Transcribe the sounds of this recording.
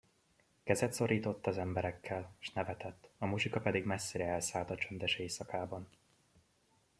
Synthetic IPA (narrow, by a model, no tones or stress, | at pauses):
kɛzɛt̪so̞ɾiːt̪o̞t̪ːɒzɛmbɛɾɛkʰːɛlʃnɛvɛt̪ɛt̪ːɒmuʃikɒpɛd̪iɡmɛsːeːɾɛɛlsaːlt̪ɒt͡ʃønd̪ɛʃeːsɒkaːbɒn